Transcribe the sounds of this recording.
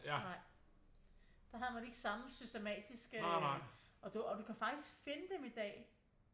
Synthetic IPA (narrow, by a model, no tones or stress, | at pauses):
nɑ̈ɪ̰ | d̥ɑ̈ɦæðˠmæne̝ɡ̥əsɑ̈məsysd̥emɛ̰ːd̥isɡ̥ə | ɒ̽d̥uɒd̥ukʰæfɑ̈ɡ̥d̥isɡ̥fe̝nəd̥emid̥ɛ̰ː